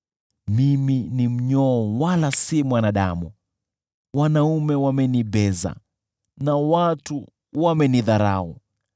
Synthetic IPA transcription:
miminim̩ɲɔwalasimwanaɗa̰mu | wanaumɛwamɛniɓɛza̰ | nawatu | wamɛniðaɾa̰ɔ̰

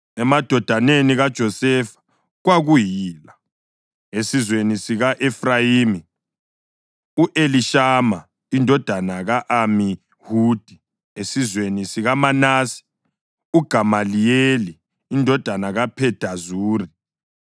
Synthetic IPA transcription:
ɛmad̥ʱɔd̥ʱaneniɣad̥ʒ̥ʱɔsɛfḁ | ɣwaɣujiːla | esizwenisiɣaʔɛfrajiːmi | uʔeliʃama | indʱɔd̥ʱanaɣaʔami | huːd̥ʱi | esizwenisiɣamanaːsi̥ | uɡ̥ʱamalijeliː | ndʱɔd̥ʱanaɣapʰɛd̥ʱazuːri

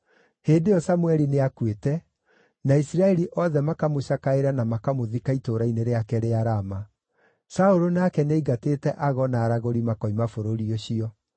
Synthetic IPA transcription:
heːdejɔsamuɛɾineakwetɛ | naisiɾaɛɾiʔɔðɛmakamoɕakaeɾanamakamoðikaitoɾaineɾeakɛɾeaɾama | saoɾonakɛneiɡateːtɛʔaɣɔnaːɾaɣoɾimakɔimafoɾoɾioɕiɔ

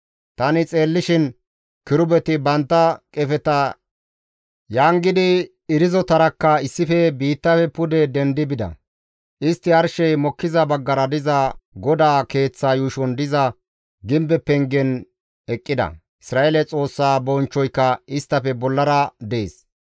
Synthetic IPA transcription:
t̪ɐnɪt͡sʼe̞ːlːɪʃɪn | kɪɾʊbɛt̪ɪbɐnt̪ːɐkʼɛfɛt̪ɐ | jaːŋɡɪd̪ɪ | ɪɾɪzɔt̪ɐɾɐkːɐɪsːɪfɛbiːt̪ːɐfɛpʊd̪ɛd̪ɛnd̪ɪbɪd̪ɐ̰ | ʔɪst̪ːɪɐɾʃɛjmɔkːɪzɐbɐɡːɐɾɐd̪ɪzɐɡɔd̪aːke̞ːt͡sːaːjuːʃɔnd̪ɪzɐ | ɡɪmbɛpɛŋɡɛn | ɛkʼːɪd̪ɐ̰ | ɪsɾaːelɛt͡sʼo̞ːsːaːbɔnt͡ʃːɔjkːɐɪst̪ːɐfɛbɔlːɐɾɐd̪e̞̰ːs

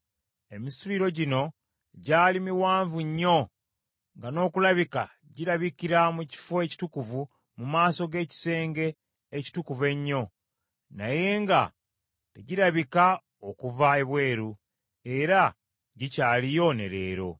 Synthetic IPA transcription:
e̞misuɾiɾo̞ɟino̞ | ɟaːlimiwaːɱvuɲːo̞ | ŋɡano̞ːkulaβika̰ | ɟiɾaβikiɾamuci̥foeci̥tukuvu | mumaːso̞ɡe̞ːci̥se̞ːŋɡe̞ː | ci̥tukuve̞ɲːo̞ | naje̞ːŋɡa̰ | te̞ɟiɾaβika | okuvae̞βwe̞ːɾu | e̞ɾa | ɟicaːlijo̞ne̞̰ɾe̞̰ːɾo̞̰

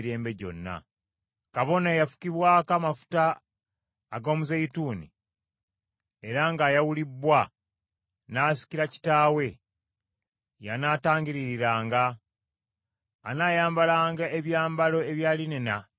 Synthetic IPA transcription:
ɾe̞ːmbe̞ɟo̞̰nːa̰ | kaβo̞neːjafu̥kiβwaːkamafu̥taː | ɡo̞ːmuzejituːnḭ | e̞ɾaŋɡaːjawulibːwa | naːsi̥kiɾaci̥taːwe̞ | janaːtaːɲɟiɾiɾiɾaːŋɡa | naːjaːmbalaːŋɡaeβjaːmbalo̞e̞βjaːlinena

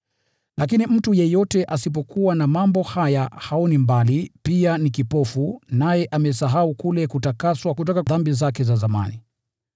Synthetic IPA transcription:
lʔakinim̩tujɛjɔtɛʔasip̬ɔkuwanamambɔhajahaɔnimbalipianikipɔfunajɛʔamɛsaɦaukulɛkutakaswakutɔkaðambizakɛzazama̰ni

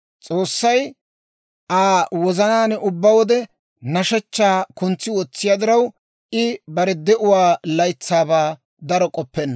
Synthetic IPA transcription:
t͡sʼoːsːɐj | ʔaːwɔzɐnaːnʊbːɐwɔd̪ɛ | nɐʃɛt͡ʃːaːkʊnt͡sːɪwɔt͡sːɪjaːd̪ɪɾɐw | ʔɪbɐɾɛd̪ɛʔʊwaːlɐjt͡sːaːbaː | d̪ɐɾɔkʼɔpːɛnːɐ

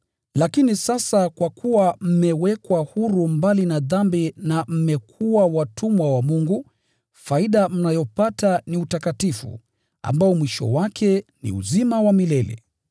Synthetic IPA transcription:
lakinisasakwakʰuwam̩mɛwɛkwahuɾumbalinaðambinam̩mɛkʰuwawatʰumwawamuŋɡu | faiɗam̩najɔpataniutakatifṵ | a̰mbaɔmwiʃɔ̰wakʰɛnḭṵzimawamilɛlɛ̰

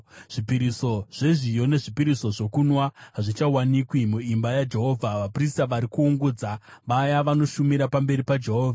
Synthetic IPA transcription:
ʐ̥ipiɾiso̞ʐ̥e̞ʐijo̞ne̞ʐipiɾiso̞ʐo̞kunwaɦaʐit͡ʃawanikwimuimbajad͡ʒe̞ɦo̞ːvʱaʋapristaʋaɾikuːŋɡud͡zaʋajaʋano̞ʃumiɾapambe̞ɾipad͡ʒe̞ɦo̞ːvʱa

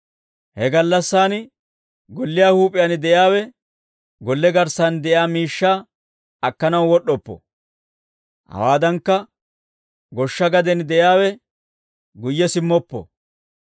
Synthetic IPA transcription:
hɛɡɐlːɐsːaːn | ɡɔlːɪjaːhuːpʼːɪjanɪd̪ɛjaːwɛ | ɡɔlːɛɡɐɾsand̪ɛʔjaːmiːʃːaː | ɐkːɐnɐwwɔɗːɔpːɔ̰ | hɐ̰waːd̪ɐŋkːɐ | ɡɔʃːɐɡɐd̪ɛnd̪ɛjaːwɛ | ɡʊjːɛsɪmːɔpːɔ̰

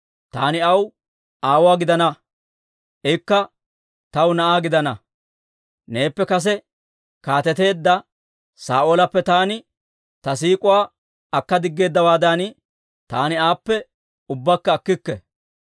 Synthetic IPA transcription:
t̪aːnɪɐw | ʔaːwaːɡɪd̪ɐnɐ | ʔɛkːɐ | t̪ɐwnɐʔaːɡɪd̪ɐnɐ | ne̞ːpːɛkɐs̬ɛ | kaːt̪ɛt̪e̞ːd̪ːɐ | saːʔolɐpːɛt̪aːnɪ | t̪ɐs̬iːkʼʊwaː | ɐkːɐd̪ɪɡːe̞ːd̪ːɐwaːd̪an | t̪aːnɪaːpːɛ | ʊbːakːɐːkːɪkːɛ

